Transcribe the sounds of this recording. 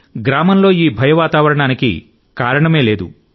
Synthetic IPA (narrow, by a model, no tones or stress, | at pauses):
ɡɾaːmɐmlo̞ːiːbʱɐjɐʋaːt̪aːʋɐɾɐɳaːnikḭ | kaːɾɐɳɐme̞ːleːd̪ṵ